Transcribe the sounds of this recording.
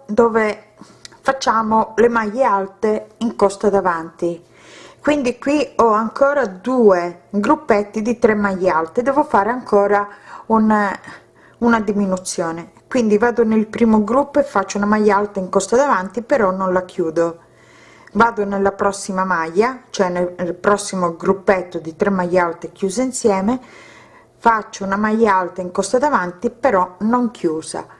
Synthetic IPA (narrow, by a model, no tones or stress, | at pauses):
d̪oːve | fat͡ʃːaːmolemajːealt̪eiŋkɔst̪ad̪avant̪i | kwind̪ikwiɔaŋkɔːɾad̪uːeɡɾupːɛt̪ːid̪it̪ɾemːajːealt̪ed̪ɛːvofaːɾeaŋkʰɔːɾaun | unad̪iminut̪sːjɔːne | kwind̪ivaːd̪onelpɾiːmoɡɾupːoefːat͡ʃːounamajːaalt̪aiŋkɔst̪ad̪avant̪ipeɾɔnːonlakʰjuːd̪o | vaːd̪onelːapɾɔsːimamajːat͡ʃoɛnelpɾɔsːimoɡɾupːɛt̪ːod̪it̪ɾemːajːalt̪ekjuːseinsjɛːme | fat͡ʃːounamajːaalt̪aiŋkɔst̪ad̪avant̪ipeɾɔnoŋkʰjuːza̰